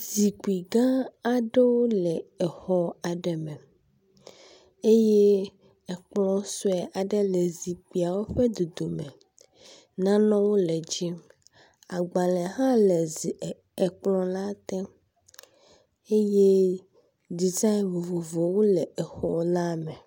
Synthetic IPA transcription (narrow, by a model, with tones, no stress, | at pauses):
zi˨ku˨i˨ɡã˦a˨ɖe˦wo˦lɛ˨ɛ˨xɔ˦a˨ɖɛ˨mɛ̃˨ | e˦je˦ | ɛ˨k͡plɔ̃˦sɔ˦ɛ˨ʔa˨ɖɛ˦lɛ˨zi˨k͡pi˨a˨wo˦ɸɛ˦d̪o˨d̪o˨mẽ˨ | nã˦nɔ̃˦wo˦lɛ˨d͡ʒi˦m | a˨ɡ͡bã˨lɛ̃˨ɦã˦lɛ˨zi˨ | ɛ˨k͡plɔ̃˦la˦t̪ɛ̃˦ | e˦je˦ | di˨za˦˨vo˨vo˨vo˨wo˦lɛ˨ɛ˨xɔ˨la˦mɛ̃˨